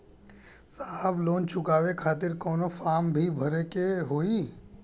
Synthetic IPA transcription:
sabloːnt͡ʃʰʊkaːʋekʰaːt̪̬ɪɾkɔːnofaːmbʱibʱɐɾekeɦoːi

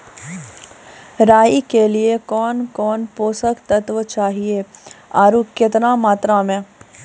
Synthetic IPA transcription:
ɾaːjikeliekɔːnkɔːnpoːsəkt̪ət̪ʋət͡ʃaːɦieaːɾuːkɪt̪nãmaːt̪ɾamẽː

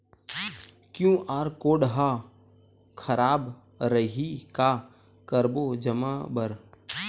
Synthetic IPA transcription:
kjũːʔaːɾkoːɽɦa | kʰɐɾaːb | ɾəɦika | kəɾbod͡ʒəmaːbəɾ

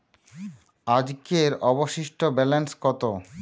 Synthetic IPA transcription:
ad͡ʑkeɾɔboʃiʃʈobɛlenskɔt̪o

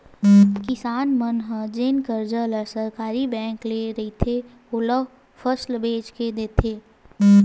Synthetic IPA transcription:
kɪsaːnmənɦə̃d͡ʒeːnkəɾd͡ʒələsəɾkaːɾibɛ̃ːŋkleɾɐɦit̪ʰe | ʊlə | fəslbeːt͡ʃked̪eːt̪ʰeː

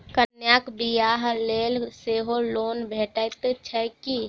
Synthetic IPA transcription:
kənjaːkbijaːɦleːlseːɦoloːnbʱeːʈajt̪et͡ʃʰɛki

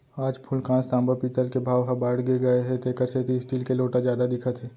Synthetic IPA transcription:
aːd͡ʒpʰʊlkãːst̪ãːmbəpiːt̪əlkebʱaːʋɦɐ̃baːɽɡeɡɐeɦɛ̃t̪eːkəɾset̪isʈiːlkeloːʈazjaːd̪ad̪ɪkʰət̪ɦɛː

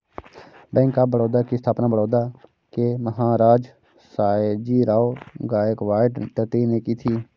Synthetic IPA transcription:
bɛ̃ːŋkabəɽoːd̪aːkist̪ʰaːpnaːbəɽoːd̪aː | keməɦaːɾaːd͡ʒ | saːed͡ʒiːɾaːoːɡaːjəkʋaːɪʈʈət̪iːneːkiːt̪ʰiː

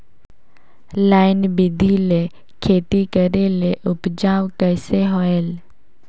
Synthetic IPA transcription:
laːɪnbɪd̪ʱile | kʰeːt̪ikəɾeleʔʊpd͡ʒaːwkɛːseɦoel

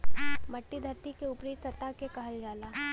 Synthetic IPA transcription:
mɐʈːid̪ʱɐʈːikeʊpɾiːt̪ɐt̪akekɐɦəld͡ʒaːlaː

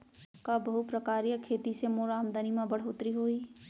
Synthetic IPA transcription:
kaːbɐɦupɾɐkaːɾijakʰeːt̪isemoːɾaːmd̪ənimãbɐɽ̤ɦoːt̪ɾiɦoːiː

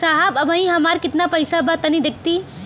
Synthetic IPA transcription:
saɦəbəbʱə̃ĩɦəmaɾkɪt̪napəjsabət̪ənid̪ek̚t̪i

